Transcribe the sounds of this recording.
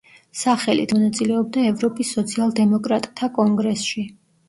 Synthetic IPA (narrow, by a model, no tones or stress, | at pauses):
saχɛlḭt̪ʰmɔnat̪sʼilɛɔb̚d̪aɛvɾɔpʼisːɔt̪sʰialˠd̪ɛmɔkʼɾat̪ʼt̪ʰakʼɔŋɡɾɛsʃi